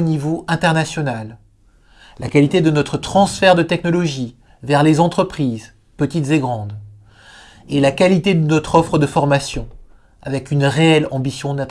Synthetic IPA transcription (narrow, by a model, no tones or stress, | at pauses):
onivoʔɛ̃t̪ɛʁnasjɔnal | lakalit̪ed̪ənɔt̪χət̪χɑ̃sfɛʁd̪ət̪ɛknɔlɔʒi | vɛʁlezɑ̃t̪χəpχiz | pət̪it̪zeɡʁɑ̃d̪ | elakalit̪ed̪ənɔt̪χɔfχəd̪əfɔʁmasjɔ̃ | a̰vɛkynʁeɛlɑ̃bisjɔ̃nɛ̃t̪